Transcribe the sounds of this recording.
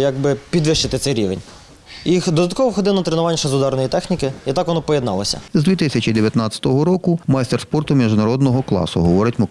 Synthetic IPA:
jaɡ̚bɪpʲid̪ʋɪʃt͡ʃɪt̪ɪt̪sɛjɾʲiʋenʲ | jixd̪ɔd̪ɐt̪̚kɔʋɔxɔd̪ɪlnɐt̪ɾenʊʋɑnʲʃɐzʊd̪ɑrnɔjit̪ɛxnʲikɪit̪ɑkʋɔnɔpɔjed̪nɑ̰lˠɐ̰sʲɐ̰zd̪ʲʋʲit̪ɪsʲɐt͡ʃid̪eʋʲjɐt̪nɑt͡sʲːɐ̥t̪ɔɦɔɾɔkʊmajst̪erspɔrt̪ʊmʲiʒʊnɐɾɔd̪nɔɦɔklˠɑ̰sʊɦɔʋɔɾɪtʲmɔ

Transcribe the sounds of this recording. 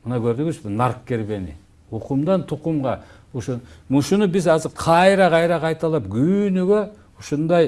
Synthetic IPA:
mɨnɑkʰøɾd̪yɡyzbɪnɑɾqkːe̞ɾbe̞nɪ̰ | uqumd̪ɑnt̪ʰuqumʁɑ | uʃumuʃunubɪzɑzɪɾqʰɑjɾɑqɑjɾɑqʰɑjt̪ɑlˠɑp̚ɡynyɡø | uʃund̪ɑj

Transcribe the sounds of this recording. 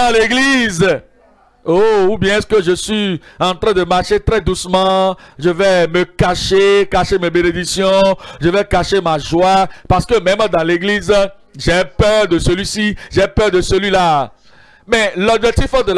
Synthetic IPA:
leɡliz | oubjɛ̃ɛskəʒəsɥiɑ̃t̪ʁɛ̃d̪əmaʁʃet̪ʁɛd̪usmɑ̃ʒəvɛməkaʃekaʃemebened̪iksjɔ̃ʒəvɛkaʃemaʒwapaʁsə̥kəmɛ̃md̪ɑ̃leɡliz | ʒɛpœʁd̪əsəlɥisiʒɛpœʁd̪əsəlɥila | mɛlɔbʒɛk̚t̪ifd̪əl

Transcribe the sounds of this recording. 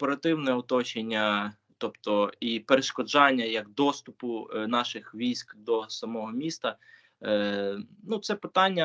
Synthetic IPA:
pɔɾɐt̪ɪwnɛɔt̪ɔt͡ʃenʲːɐ | t̪ɔpt̪ɔipeɾeʃkɔd͡ʒɑnʲːɐjɐɡd̪ɔst̪ʊpʊnɑʃɪxʋʲijsʲkd̪ɔsɐmɔɦɔmʲist̪ɐ | nut̪sɛpɪt̪ɑnʲːɐ

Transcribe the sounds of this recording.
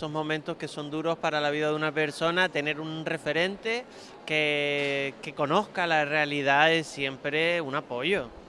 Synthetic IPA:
so̞ɦmõ̞mẽnt̪o̞hke̞so̞nd̪uɾo̞hpaɾalaβ̞iðaðunape̞ɾso̞nat̪e̞ne̞ɾunre̞fe̞ɾẽ̞nt̪e̞ | ke | ke̞ko̞no̞hkalarealiðaesje̞mpɾe̞unapo̞ʝo̞

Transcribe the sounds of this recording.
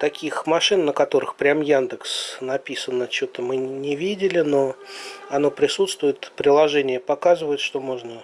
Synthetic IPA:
t̪ɐkʲixmɐʂɨnːəkɐt̪o̞ɾɨxpɾʲamjand̪əksnɐpʲisənət͡ɕo̞t̪əmɨnʲɪvʲidʲɪlʲɪno̞ɐno̞pɾʲɪsut̪st̪vʊjɪt̪pɾʲɪlˠɐʐɛnʲɪjəpɐkazɨvəɪt̪ʂt̪o̞mo̞ʐnə

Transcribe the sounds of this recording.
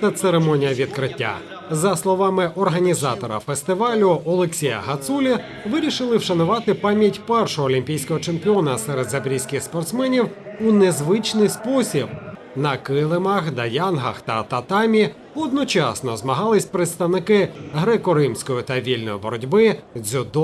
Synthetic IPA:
ɛt̪seɾemɔnʲijɐʋʲid̪̚kɾɪtʲːa̰ | zɐslˠɔʋɑmɪʔɔrɦɐnʲizɑt̪ɔɾɐ̰fest̪ɪʋɑlʲʊɔlˠeksʲijɐ̰ɦɐt̪sulʲi | ʋɪɾʲiʃɪlˠɪwʃɐnʊʋɑt̪ɪpɑmʲjɐtʲpɛrʃɔɦɔlʲimʲpʲijsʲkɔɦɔt͡ʃempʲɪɔnɐsɛɾed̪zɐbɾʲijsʲkʲɪxspɔrt̪smɛnʲiwunezʋɪt͡ʃnɪjspɔsʲib | nɐkɪlˠɪmɐxd̪ɐjɑnɦɐ̰xt̪ɐt̪ɐt̪ɑmʲi | ɔd̪̚nɔt͡ʃɑsnɔzmɐɦɑlˠɪsʲpɾɪt̪st̪ɐwnɪkɪɦɾɛkɔɾɪmsʲkɔjʊt̪ɐʋʲilʲnɔjɪbɔɾɔdʲbɪzʲʊd̪ɔ

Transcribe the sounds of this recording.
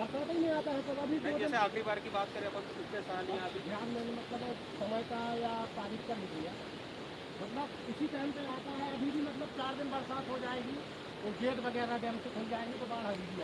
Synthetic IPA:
əɾt̪ãt̪inɐɦĩaːt̪aɦɛt̪oɐbʱiboɛseaːkʰɾibaːɾkibaːt̪̚kəɾẽbəsɪt̪esalĩat̪d̪ʱjaːnmɛnemɐt̪ləbɦɛ | səməjkajapaːɾɪt̪kamɪklija | mɐt̪ləb | ɪsit̪ɛɦənpeaːt̪aɦɛɐbʱibʱimɐt̪ləb̚t͡ʃaːɾd̪ɪnbəɾsaːt̪ʰɦod͡ʒaːeɡi | oːd͡ʒeːʈbəɡɛːɾabɛmsekʰold͡ʒaːeɡit̪obaːɽɦəɾid̪ija

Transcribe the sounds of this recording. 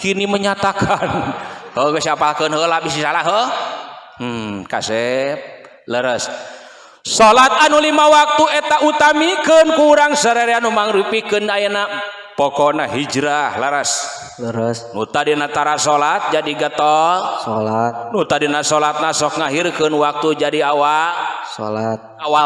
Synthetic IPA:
kiniməɲat̪akʰanhəŋəsiapalkənɦəlabis̬isalaɦə | ka̰sɛp̚ | ləɾəs | solat̪̚anulimawak̚t̪uɛt̪aʔut̪amikənkuːɾaŋsəɾeɾeanumaŋɾupikənajana | pɔkɔnaɦid͡ʒɾahləɾəs | ləɾəsnut̪adinat̪aɾasolat̪̚d͡ʒadiɡət̪ɔlsolat̪̚nut̪adinasolat̪̚nasɔk̚ŋaɦirkɨnwak̚t̪ud͡ʒadiawalso̰lat̪̚awa

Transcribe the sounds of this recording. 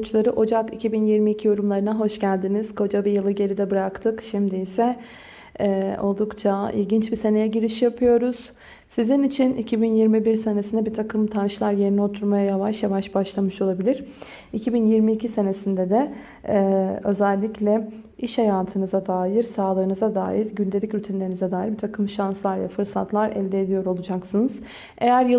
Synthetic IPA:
t͡ʃlˠaɾɯʔo̞d͡ʒakicʰibinjiɾmiːcʰijo̞ɾumlˠaɾɯnaɦo̞ʃɟælʲd̪iniz̥kʰo̞d͡ʒabijɯlˠɯɟe̞ɾid̪ɛbɯɾakt̪ʰɯkʃimd̪iisɛ | o̞lˠd̪ukt͡ʃʰaḭlʲɟint͡ʃbise̞ne̞jɛɟiɾiʃjapʰɯjo̞ɾuz̥ | sizinit͡ʃʰinicʰibinjiɾmibiɾse̞nesind̪ɛbit̪ʰakʰɯmt̪ʰanʃlˠaɾje̞ɾiniot̪ʰuɾmajajavaʃjavaʃbaʃlˠamɯʃo̞lˠabilʲiɾ | icʰibinjiɾmiːcʰise̞ne̞sind̪ɛd̪ɛ | ø̞̰zælʲːiclʲɛ | iʃhajaːt̪ʰɯnɯzad̪aːjiɾsaːlˠɯːnɯzad̪a̰ːjiɾɟynd̪eicɾyt̪ʰinlʲe̞ɾinizɛd̪aːjiɾbit̪ʰakʰɯmʃanslˠaɾja̰fɯɾsat̪ʰlˠaɾɛ̰lʲd̪eːd̪ijo̞ɾo̞lˠud͡ʒaksɯnɯz̥ | e̞jæɾjɯ

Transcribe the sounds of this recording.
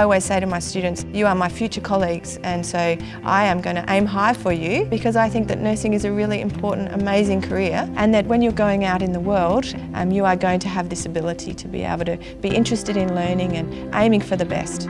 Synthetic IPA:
ɔlˠwiɪz̥seɪɾɨmaɪstʉdⁿn̩tsjɨə˞maɪfjʉt͡ʃə˞kʰɑlˠiɡz̥ɨ̃nsoʊ | ʔa̰ɪɨ̃mɡʌ̃nɨʔẽɪ̃mɦaɪfə˞jʉb̥ɨkʰʌzaɪθɪ̃ŋk̚ðɨtⁿnɜ˞sɪ̃ŋɨzɨɹɪlˠiɨ̰̃mpʰɔɹʔn̩tɨ̰meɪzɪ̃ŋkʰə˞ɪɹʔɨ̃nðɨt̚wɨ̃njə˞ɡoʊɪ̃ŋaʊɾɨ̃nðəwɜ˞lˠd̚ | ʔmjɨə˞ɡoʊɪ̃ŋtʰɨːvðɪsɨbɪlˠəɾḭɾɨbḭḛɪbl̩ˠtʰɨ | b̥iʔɪ̃nt͡ʃɹ̥ɨstɨɾɨ̃nlɜ̃˞nɪ̃ŋɨ̃n | ʔẽɪ̃mɪ̃ŋfə˞ðɨbɛ̰st

